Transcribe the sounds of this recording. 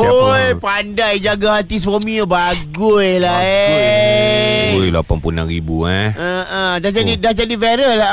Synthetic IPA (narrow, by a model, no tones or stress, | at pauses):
ojpandajd͡ʒaɡahat̪is̬wamĩəbaɡʊjlae | jla̰pampuna̰nɾibṵaəʔədad͡ʒadidad͡ʒadifɛɾəla